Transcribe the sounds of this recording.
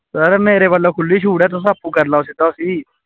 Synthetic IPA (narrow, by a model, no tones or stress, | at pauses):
səɾmeːɾebəlokʰʊlːiːt͡ʃʰuːɽɛːt̪̬os̬apʰukəɾlaːosit̪asiː